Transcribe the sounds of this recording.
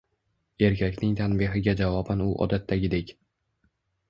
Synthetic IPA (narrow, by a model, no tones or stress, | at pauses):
e̞ɾkʲʰakʲnɪŋt̪ʰanbɪɦɪɡʲad͡ʒavɒbanʊʔɒ̰d̪at̪ʰːaɡʲɪd̪ekʲ